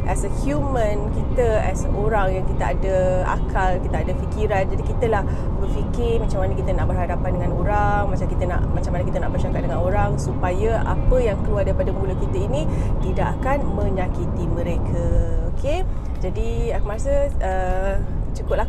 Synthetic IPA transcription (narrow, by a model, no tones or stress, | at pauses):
ʔɛsəhjumə̃nkit̪əɛ̰soɾaŋjaŋkit̪aa̰dəa̰kʰalkit̪aadəfikiɾand͡ʒadikit̪əlah | bərfikɪmat͡ʃamanəkit̪ənaʔbərɦadapandəŋãnoɾaŋmat͡ʃamkit̪əna̰ʔmat͡ʃamanəkit̪ənaʔbərt͡ʃakat̪̚dəŋanoɾaŋsupajaa̰pəjaŋkəluardaɾipadamulukit̪əinĩt̪idaʔakanmə̃ɲãkit̪imə̃ɾekʰaokʰe | d͡ʒadiakmaɾasəə | t͡ʃukʊp̚la